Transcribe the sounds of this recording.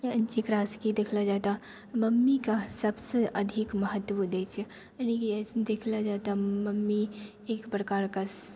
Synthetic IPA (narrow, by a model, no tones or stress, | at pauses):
d͡ʒikɾaskid̪ekʰlad͡ʒat̪a | məmːikasəbseʔəd̪ʱikməɦət̪ːʋud̪et͡ʃʰɛ | ənikid̪ekʰlad͡ʒat̪aməmːi | ekpɾəkaɾka